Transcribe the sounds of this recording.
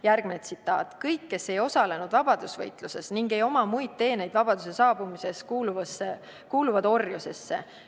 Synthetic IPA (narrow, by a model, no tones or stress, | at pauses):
jærɡ̥minet̪sit̪ːˑɑ̰ːt̪kɤjkːe̞se̞jo̞sɑle̞nud̪̥vɑb̥ɑd̪̥usvɤjt̪ˑluse̞sniŋɡe̞jo̞mɑmujd̪̚t̪e̞ːne̞jd̪vɑb̥ɑd̪̥use̞sɑːb̥umise̞skuːluvse | kuːluvɑd̪̥o̞rjuse̞sːḛ